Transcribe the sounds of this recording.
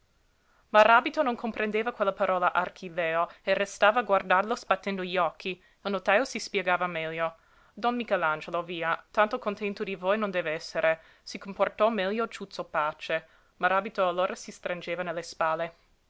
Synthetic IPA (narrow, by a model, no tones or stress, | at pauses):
marabit̪onoŋkʰompɾʔend̪eːvakwelːapaɾʔɔːlaʔarkʰileːoerest̪aːvaːɡward̪arlosbat̪ːend̪oʎiɔkʰːi | ilnot̪aosispjeɡaːvamɛʎːo | d̪ɔnmikɛland͡ʒeloviːat̪ant̪okont̪ɛnt̪od̪ivojnond̪ɛːveɛsːeɾʔe | sikomport̪ɔmɛʎːot͡ʃut̪sopaːt͡ʃe | maɾaːbit̪oalːoːɾʔasist̪ɾand͡ʒeːvanelːespaːlːe